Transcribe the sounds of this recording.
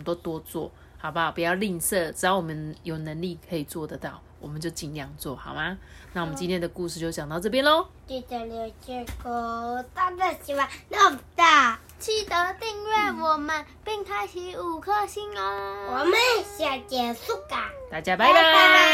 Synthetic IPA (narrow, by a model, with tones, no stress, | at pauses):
mə˦nt̪o˦ʊt̪wɔ˦t͡swɔ̰˥˩ | hɑ˨˩ʊba˧˦pu˨˩jɑ˥˧ʊli˥˧ŋsɤ˥˩ʈ͡ʂ̩˨˩t̪ɑ˥˩wɔ˨˩mə˦njo˨˩ʊnə˧˦ŋli˥˩kʰə˧˦˥i˨˩t͡swɔ˥˨d̪ə˩t̪ɑ˥˩ʊwɔ˨˩mə˨˦nt͡ɕjo˥˩ʊt͡ɕi˨˩nljɑ˥˧ŋt͡swɔ˥˨˩hɑ˨˩ʊma˦na˥˩wɔ˨˩mə˦nt͡ɕi˦nt̪ʰjɛ˥˧nd̪ə˨˩ku˥˧ʂ̬ɻ̩˥˧t͡ɕjo˧ʊt͡ɕɑ˨˩ŋt̪ɑ˥˧ʊʈ͡ʂɤ˥˧pjɛ˦nlɔ˨˦t̪i˧˩t̪ə˨˩ljo˨˩t͡ɕi˧˥ko˨˧˩t̪a˥nd̪ə˧˩ɕi˧˩wa˥˧˩nɔ˥˩t̪a˥˩ | t͡ɕʰy˥˩t̪ə˧˦t̪i˥˧ŋɥa˥˩wɔ˨˩mə˧n | pi˥˧ŋkʰa˥ɪt͡ɕʰi˧˥u˨˩kʰɤ˥˧ɕi˥ŋə˧wɔ˨˩mə˨˦nɕja˨˩t̪jɛ˨˩nsu˥˧ka˨˩ŋt̪a˥˩t͡ɕja˦˥pa˧˥ɪdə˨